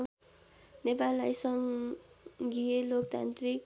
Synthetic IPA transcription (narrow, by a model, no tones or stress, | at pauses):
nepalːajsʌŋ | ɡijelokt̪a̰nt̪rik̚